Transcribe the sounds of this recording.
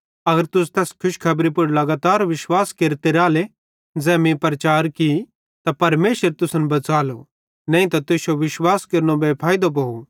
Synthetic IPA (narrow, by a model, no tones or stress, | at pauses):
ɐɡəɾt̪ʊs̬t̪ɛːskʰʊʃkʰɐbɾipʊɾlɐɡaːt̪aːɾʋɪʃwaːskeːɾt̪eɾaːle | d͡zɛːmĩpɾɐt͡ʃaːɾki | t̪apɐɾmeːʃəɾt̪ʊsə̃nbɐt͡saːlo | nɛ̃ːĩt̪̬at̪ʊsoʋɪʃwaːskeɾñõbepʰaːjid̪op̬ɐu